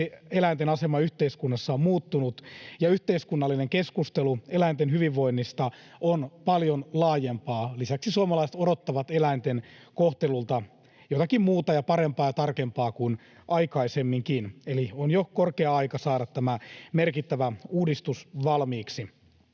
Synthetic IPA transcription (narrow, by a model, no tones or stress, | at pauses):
eelæint̪enɑsemɑyht̪eiskunːɑsːɑomuːt̪ːunut̪jɑyht̪eiskunːɑlːineŋkeskust̪eluelæint̪enɦyʋiʋːo̞inːist̪ɑ | onpɑljonlɑːjempɑːlisæksisuɑmɑlɑiset̪odot̪ːɑʋɑt̪elæint̪enkoht̪elult̪ɑ | jot̪ɑkimmuːt̪ɑjɑpɑɾempɑːjɑt̪ɑrkempɑːkuin | ʔɑikɑisemːiŋkinelionjokorkeɑɑijkɑsɑːɾɑt̪tæmæmerkit̪ːæʋæuːdist̪usʋɑlmiːksi